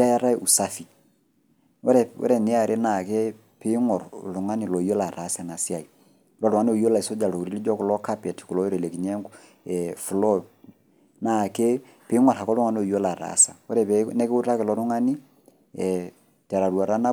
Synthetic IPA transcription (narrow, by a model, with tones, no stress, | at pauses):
a˦ja˦ɾa˦i˦˨ʔu˨sa˦fi˨ | ɔ˦ɾɛ˨wɔ̰˦ɾɛ˦˨nɪ˨˦a˨ɾʔe˦na˨kɛ˦ | pɪ˦ŋɔ˨ɾ̰lʊ˨ŋa˦ni˨lɔ˨ijɔ˦la˨ɾa˨˦sa˨na˨sja˨i˨ | lɔ˨ɾʊ˨ŋa˦n˦o˨jɔ˦la˨i˨sɔ˦d͡ʒa˨lɔ˨u˨ɾi˦li˦d͡ʒɔ˦kɔ˨lɔ˦ka˦pɛ˨tku˨lɔ˦i˦ɾɛ˨le˨ki˨ɲɛ˦ŋ | ɛfu˨lɔ˦ | na˨ke˦ | pɪ˨˦ŋɔ˨rha˨kɔ˦lu˦ŋa˦n˦ɔ˨jɔ˦la˨ɾa̰˨˦sa̰˨ɔ˦ɾɛ˨pɛnɛ˦kɪ˦u˦ta˦kɛ˨lɔ˨ɾʊ˦ŋa˦ni˦ | ɛ | tɛ˨ɾa˨ɾwa˨ɾa˦na˦